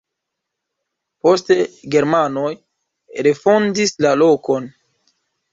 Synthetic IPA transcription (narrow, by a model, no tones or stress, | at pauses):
po̞ste̞ɡe̞ɾmanoj | ɾe̞fo̞ndislalo̞ko̞n